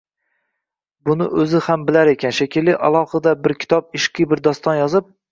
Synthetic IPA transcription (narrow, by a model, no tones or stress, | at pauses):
bʊnɪ̰ʔɵzɪhambɪlaɾe̞kʲʰanʃakʲʰɪlːɪʔa̰lˠɒhɨd̪abɪɾkʲʰɪ̥t̪ʰɒp̚ɪʃqʰɨbɪɾd̪ɒst̪ɒnjɒzɪp̚